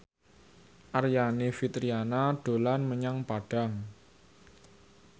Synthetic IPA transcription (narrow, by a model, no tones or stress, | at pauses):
ʔarjanefit̪ɾianaɖ̥o̤lanməɲaŋpaɖ̥a̤ŋ